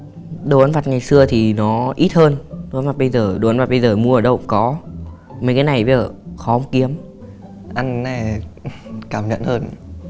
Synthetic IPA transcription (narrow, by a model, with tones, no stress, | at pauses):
ɗo˨˧˩ʔaː˨˧nva˨˩t̚ŋa˨˩jsɨ˧ət̪ʰi˨˩nɔ˨˦ʔi˦˥t̚həː˧no˨a˧nva˨˩ɓə˧jzəː˨˩ɗo˨˩ʔnva˨˩t̚ɓə˧jzəː˨˩mu˧əʔəː˨˩ɗə̰˧˨wŋ͡mkɔ˨˦ | mə˨˦jkaː˨˦jna˨˩jɓə˨˧zəː˨˩xɔ˨˦ə˧˦ŋ͡mki˨˦əm | ʔa˧ŋːɛ˨˩ | kaː˧˩mɲə̰˧˨nhəː˧n